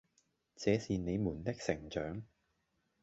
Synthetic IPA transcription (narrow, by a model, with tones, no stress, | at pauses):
t͡sɛː˨˧siː˨ne˨˧jmuː˨˩nt̪ɪ˥k̚sɪ˨˩ŋt͡ʃœː˨˥ŋ